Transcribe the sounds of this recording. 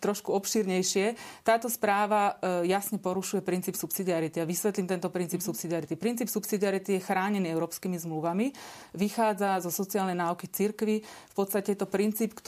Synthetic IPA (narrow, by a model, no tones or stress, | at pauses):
t̪ɾɔʃkuɔpʃiːɾɲɛjʃɪɛt̪aːt̪ɔspɾaːʋajasɲɛpɔɾuʃujɛpɾint͡siːpsupsid̪iaɾit̪iaʋisʋɛt̪limt̪ɛnt̪ɔpɾint͡siːpsupsid̪iaɾit̪ipɾint͡siːpsupsid̪iaɾit̪ijɛxɾaːɲɛniːɛʊɾɔːpskiːmizmluʋamiʋixaːd͡zazɔsɔt͡siaːlnɛjnaːukit͡siɾkʋifpɔt̪st̪acɛjɛt̪ɔpɾint͡siːpkt̪